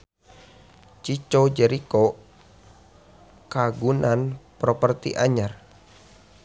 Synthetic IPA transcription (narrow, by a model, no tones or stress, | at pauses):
t͡ʃit͡ʃod͡ʒɛɾiko | kaɡunanpɾɔpərt̪ḭʔaɲar